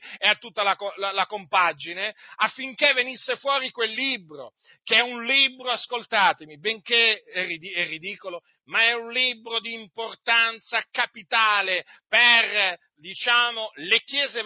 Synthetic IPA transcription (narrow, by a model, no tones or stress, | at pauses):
eat̪ːut̪ːalaklalakompad͡ʒineafːiŋkevːenisːefwɔːɾikwelːiːbɾo̰ | keɛunliːbɾoaskolt̪aːt̪emibeŋkeɛrːid̪iɛrːid̪iːkolo | maɛunliːbɾod̪iːmport̪ant̪sakapit̪aːleper | d̪it͡ʃaːmolekjɛːze